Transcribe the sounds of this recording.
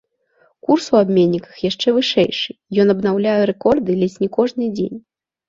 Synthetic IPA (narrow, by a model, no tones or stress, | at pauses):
kursuabʲmʲenʲːikɐ̥xjaʂt͡ʂɛvɨʂɛjʂɨjɔnɐbnawlʲajɛɾɛkɔrd̪ɨlʲɛsʲnʲikɔʐnɨd͡zʲḛnʲ